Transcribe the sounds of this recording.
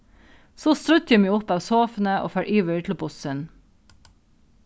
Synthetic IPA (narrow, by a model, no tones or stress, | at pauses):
soːst̪ɾʉt̪jɑmiːʊpɑːʋsoːfn̩əʔo̰ːfæːʔiːʋœʏt̪ʰlobʊsən